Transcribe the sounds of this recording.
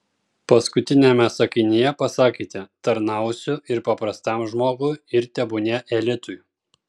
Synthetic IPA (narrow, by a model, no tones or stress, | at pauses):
pɐskʊt̪ʲɪnʲɛmʲɛsɐkʲɪnʲɪjɛpɐsɑːkʲiːt̪ʲɛt̪ɐɾnɐˑʊsʲʊɪɾpɐpɾɐst̪ɐmʒmoːɡʊɪɾt̪ʲɛbʊnʲɛʔɛlʲɪt̪ʊj